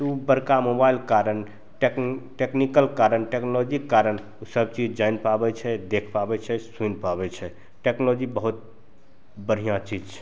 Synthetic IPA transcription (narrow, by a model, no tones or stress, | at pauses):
t̪ubəɾkamobailkaɾən | ʈekʈeknikəlkaɾənʈeknolod͡ʒikkːaɾən | usəb̚t͡ʃid͡ʒd͡ʒajnpabɛt͡ʃʰɛd̪ekʰpabɛt͡ʃʰɛsunpabɛt͡ʃʰɛ | ʈeknolod͡ʒibəɦut̪̚ | bəɽ̤ijãt͡ʃid͡ʒt͡ʃʰɛ̥